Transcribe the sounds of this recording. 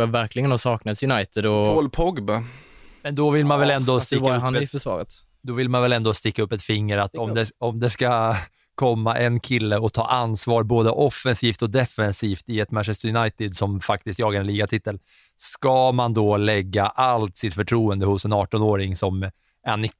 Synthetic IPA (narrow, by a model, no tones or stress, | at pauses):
avæɾklɪɡənhasɑːknat̪sjɵnajt̪ɪd̪ɔolpʰɔɡbamɛnd̪ɔvɪlmanvɛlɛnd̪ɔst̪ɪkːahanɪfœʂvɑ̰ːɾət̪ | d̪ɔvɪlmanvɛlɛnd̪ɔst̪ɪkːaɵpːɛt̪fɪŋːəɾat̪ːɔmd̪ɛɔmd̪ɛska | kʰɔmːaʔɛnkʰɪlːəɔt̪ʰɑ̰ːʔansvɑːɾboːd̪əʔɔfːɛnsiːft̪ɔd̪ɛfɛnsiːft̪ɪɛt̪mænʃɛst̪əjʊnajt̪ɪd̪sɔmfak̚t̪ɪst̪jɑːɡaɾɛnliːɡat̪ʰɪt̪ːəl | skɑmand̪ɔlɛɡːaʔalt̪sɪt̪fœʈʰɾuːənd̪əhʊsɛnɑːʈɔnoːɾɪŋsɔm | ɛnɪ